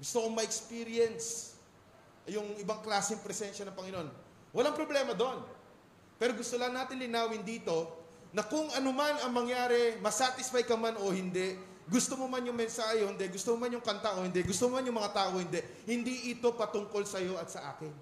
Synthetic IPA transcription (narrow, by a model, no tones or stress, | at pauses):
ɡʊst̪oʔoŋmɐʔɛkspiɾjɛns | jʊŋɪbaŋklaːsɪŋpɾɛsɛnʃɐnɐŋpɐŋɪnoʔo̞n | wɐlaŋpɾoblɛːmɐd̪oʔon | pɛːɾoɡʊst̪olɐnːaːt̪ɪnlɪnaːwɪnd̪iːt̪o̞ | nɐkʊŋʔɐnomanɐŋmɐŋjaːɾɛmɐsat̪ɪsfajkɐmanʔo̞hɪnd̪ɛʔ | ɡʊst̪omomanjʊŋmɛnsaːhjɛhɪnd̪ɛɡʊst̪omomanjʊŋkɐnt̪aʔo̞hɪnd̪ɛɡʊst̪omomanjʊŋmɐŋat̪aːʔo̞hɪnd̪ɛʔ | hɪnd̪iʔɪt̪o̞pɐt̪ʊŋko̞lsɐjo̞ʔɐt̪sɐʔa̰ːkɪn